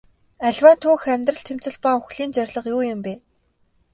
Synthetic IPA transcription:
æɮʲwaːt̪ʰuːxæmʲt̪rə̆ɮt̪ʰem̥t͡sɘ̆ɮpauxɮiːnt͡sœrʲɮə̆qjuːjʊ̆mpeː

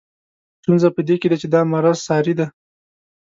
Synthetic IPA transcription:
st̪unzapəd̪eked̪at͡ʃed̪ɑmaɾazsɑɾid̪a

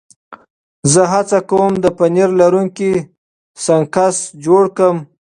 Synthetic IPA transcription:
zəɦat͡sakawəmd̪əpaniɾlaɾuŋki | saŋkasd͡ʒoɽkəm

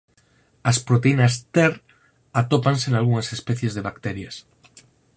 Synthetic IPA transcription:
aspɾot̪einɐst̪eɾ | at̪opansenalɣuŋasespɛθjezðeβakt̪ɛɾjas

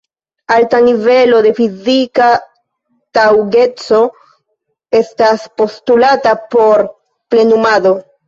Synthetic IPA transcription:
altanive̞lo̞d̪e̞fizika | tawɡe̞t͡so̞ | e̞staspo̞stulatapo̞ɾ | ple̞numad̪o̞

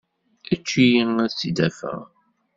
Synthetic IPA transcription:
æt͡ʃːijiŋæsid̪æfə̰ʁ

